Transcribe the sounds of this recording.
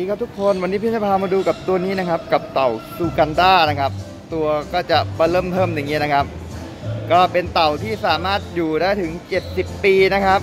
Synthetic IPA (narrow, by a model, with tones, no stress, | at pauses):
i˧kʰa˥pt̪ʰu˦˥kʰːo˧nwa˧nːiː˦˥p̪̚ʰːpʰaː˧maː˧duː˧ka˨˩p̚t̪u˧ɐniː˦˥na˦˥kʰa˦˥p̚ka˨˩p̚t̪a˨˩wsuː˧ka˧ndaː˥˩na˦˥kʰa˦˥p̚ | t̪u˧ɐkɔː˥˩t͡ɕa˨˩ʔmaː˧lɤː˥˩mt̪ʰɤː˥˩mja˨˩ŋiː˦˥˨na˦˥kʰa˦˥p̚ | kɔː˥˩pe˧nt̪a˨˩wt̪ʰiː˥˩saː˩˦maː˥˩t̪̚juː˨˩daː˥˩jt̪ʰɯ˩˦ŋt͡ɕe˨˩t̪̚si˨˩pːiː˧na˦˥kʰa˦˥p̚